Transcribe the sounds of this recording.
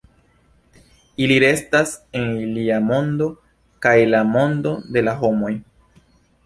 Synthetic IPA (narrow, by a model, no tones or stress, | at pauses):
iliɾe̞staseniliamo̞ndo̞ | kajlamo̞ndo̞de̞laɦo̞mo̞j